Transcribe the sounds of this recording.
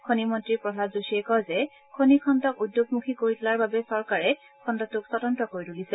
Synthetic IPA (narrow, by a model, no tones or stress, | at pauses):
kʰonimɔntɹipɹɔdʱadzusiɛkɔzɛ | kʰonikʰɔntɔkudːjoɡ̚mukʰikoɹitʊlaɹbabɛsɔɹkaɹɛ | kʰɔndɔtʊksɔtɔntɔkoɹitulisɛ